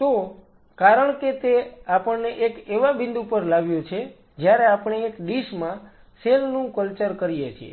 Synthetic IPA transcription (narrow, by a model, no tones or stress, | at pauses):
t̪o | kaɾəɳket̪eapəɳneʔekeʋabɪ̃nd̪upəɾlaʋjot͡ʃʰe | d͡ʒjaɾeapɳ̃eːkɖiʃmã | selnũkəlt͡ʃəɾkəɾijet͡ʃʰiḛ